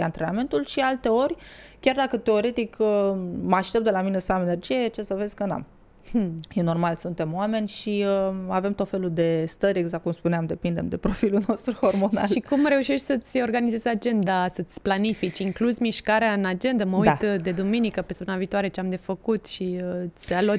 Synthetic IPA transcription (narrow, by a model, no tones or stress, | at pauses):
a̰nt̪ɾename̞nt̪ulʃialt̪e̞o̞ɾʲkʲard̪akət̪e̞o̞ɾe̞t̪ik | maʃt̪e̞p̚d̪elaminesamene̞rd͡ʒijet͡ʃe̞səve̞zʲkəna̰m | jeno̞rmalsunt̪e̞muame̞nʲʃiəave̞mt̪ot̪fe̞lud̪e̞st̪əɾʲe̞ɡzak̚kːumspuneamd̪e̞pind̪e̞md̪e̞pɾo̞filulno̞st̪ɾuhormo̞na̰ʃlikumɾe̞uʃeʃt̪ʲsət̪sʲo̞rɡanizezad͡ʒe̞nd̪asət̪sʲplanifit͡ʃiŋkluzʲmiʃkaɾeaɨnad͡ʒe̞nd̪əməut̪d̪e̞d̪uminikəpesnaviːt̪oaɾe̞t͡ʃeamd̪e̞fəkut̪ʃiɨsʲalo